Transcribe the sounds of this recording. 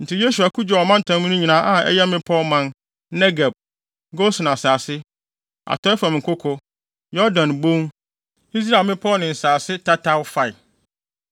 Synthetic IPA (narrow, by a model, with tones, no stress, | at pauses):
n̩˨tʰɪ˦je˦su˨a˨kʰu˦d͡ʑᶣɔ˨ɔ˨mã˦n̩˨tʰã˨˦mũ˦nʊ̃˦ɲĩ˨nãː˦ʔã˦ɛ̰˦jɛ˦mɪ̃˦pʰɔ˦mã˨n | nɛ˦ɡa˨b̚ | ɡo˦sn˨a˨saː˨sɪ˦ | a̰˨tʰɔ˦ɛ˦fa˨m̃˨ŋ̩˨kʰʊ˦kʰɔ˦ | jɔ˦ɾdã˨nbõ˦m | i˦s̬ɾa˨mɪ̃˦pʰɔ˦nɪ̃˨n̩˨saː˨sɪ˦tʰa˦tʰa˦wfa˨ɪ˨